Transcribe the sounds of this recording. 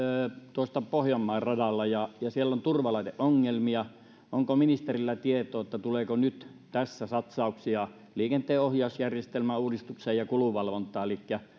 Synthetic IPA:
t̪uoˑst̪ɑpohjɑmːɑˑerrɑdɑlːɑjɑjɑsielːont̪urʋɑlɑˑit̪eʔʔoŋːelmiɑ | ʔoŋkominist̪erilːæt̪iet̪oːet̪ːæt̪uleːkonyt̪ | t̪æsːæsɑt̪sɑˑuksiɑ | liːkent̪ˑeːohjɑˑusjærjest̪elmæuːdist̪ukseːjjɑkuluʋɑlʋont̪ˑɑːelikːæ

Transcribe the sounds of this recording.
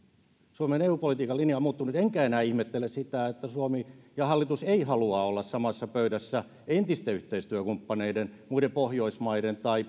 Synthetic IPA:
suomeneuːpolit̪iːkɑlːinjɑmuːt̪ːunut̪eŋkæenæːihmet̪ːelːˑessit̪æet̪ːæsuomijɑhɑlːit̪useihɑluɑolːɑssɑmɑsːɑpøyɾæsːæ | ent̪ist̪eyht̪eist̪yøkumpːɑneidenmuidempohjoismɑident̪ɑi

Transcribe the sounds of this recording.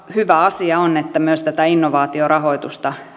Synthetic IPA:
hyʋæɑsiɑonet̪ːæmyøst̪æt̪æinːoʋɑːt̪iorɑhoit̪ust̪ɑ

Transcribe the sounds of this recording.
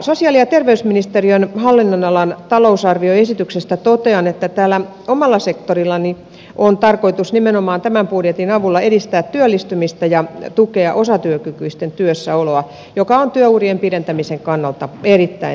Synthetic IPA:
sosiɑliɑt̪erʋeysminist̪eriønhɑlːinːonɑlɑnt̪ɑlousɑrʋioesit̪yksest̪æt̪ot̪eɑnet̪ːæt̪æːlːæ | omɑlːɑsekt̪orilːɑni | ʔont̪ɑrkoit̪usnimenomɑːnt̪æmæmpudjet̪inɑʋulːɑedist̪æːt̪tyølːist̪ymist̪æjɑt̪ukeɑʔosɑt̪yøkykyist̪ent̪yøsːæoloɑ | jokɑont̪yøuriempiɾent̪æmiseŋkɑnːɑlt̪ɑerit̪ːæi

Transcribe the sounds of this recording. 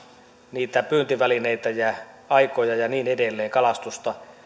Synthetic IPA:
niːt̪æpyːnt̪iʋælineit̪æjæ | ɑikojɑjɑniːnedelːeːŋkɑlɑst̪ust̪ɑ

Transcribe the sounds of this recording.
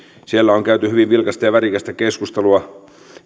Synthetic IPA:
sielːæoŋkæyt̪yhyʋiʋʋilkɑst̪ɑjɑʋæɾikæst̪ækeskust̪eluɑ

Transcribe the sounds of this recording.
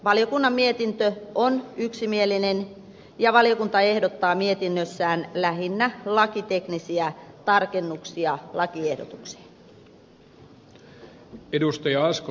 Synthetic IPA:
ʋɑljo̞kunːɑmːie̞t̪int̪øonyksimieline̞n | jɑʋɑljo̞kunt̪ɑe̞hdo̞t̪ːɑːmie̞t̪inːøsːæːnlæɦinːælɑkit̪e̞knisiæt̪ɑrke̞nːuksiɑlʔɑkie̞hdo̰t̪ukse̥ːn | edust̪ɑjɑɑsk

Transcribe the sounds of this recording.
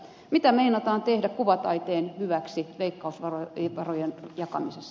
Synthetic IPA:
mit̪æmeinɑt̪ɑːnt̪ehdækuʋɑt̪ɑit̪eːnhyʋæksiʋeikːɑusʋɑroʋɑrojenjɑkɑ̰misesː

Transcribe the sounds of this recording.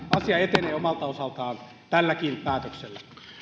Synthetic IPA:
ɑsjɑet̪eneːomɑlt̪ɑosɑlt̪ɑːn | t̪ælːækiːnpæːt̪økselːæ

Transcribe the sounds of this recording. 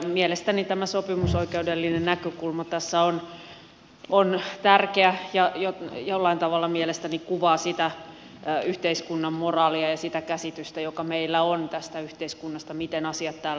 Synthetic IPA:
mielest̪ænit̪æmæsopimusoikeudelːinennækøkulmɑt̪æsːæon | ont̪ærkeæjɑjojolːɑint̪ɑʋɑlːɑmielest̪ænikuʋɑːsit̪æ | yht̪eiskunːɑmmorɑːliɑjɑsit̪ækæsit̪yst̪æjokɑmeilːæont̪æst̪æyht̪eiskunːɑst̪ɑmit̪enɑsiɑt̪tæːl

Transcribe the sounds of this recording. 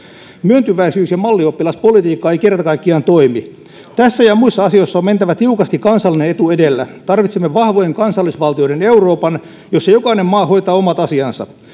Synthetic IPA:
myønt̪yʋæisyːsjɑmɑlːiopːilɑspo̞lit̪iːkːɑejkerːæt̪ækɑikːiɑnt̪oimi | t̪æsːæjɑmuisːɑɑsioisːɑoment̪æʋæt̪iukɑst̪ikɑnsɑlːinenet̪uedelːæt̪ɑrʋit̪semːeʋɑhʋojeŋkɑnsɑlːisʋɑlt̪io̞ɾeneuroːpɑn | josːejo̞kɑinemmɑːho̞ijt̪ɑːomɑt̪ɑsiɑnsɑ̰

